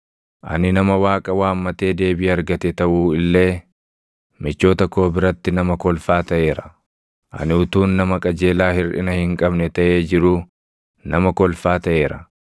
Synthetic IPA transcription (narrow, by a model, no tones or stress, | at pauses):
ʔɐ̰nɪnɐmɐwaːkʼɐwaːmːɐt̪e̞ːd̪e̞ːbɪjɐɾɡɐt̪ɛt̪ɐʔuːɪlːe̞ː | mɪt͡ʃːo̞ːt̪ɐkːo̞ːbɪɾɐt̪ːɪnɐmɐkɔlfaːt̪ɐʔe̞ːɾɐ | ʔɐ̰nɪʊt̪uːnːɐmɐkʼɐd͡ʒe̞ːlaːhɪɾᶑɪ̰nɐhɪŋkʼɐbnɛt̪ɐʔe̞ːd͡ʒɪɾʊ | nɐmɐkɔlfaːt̪ɐʔe̞ːɾɐ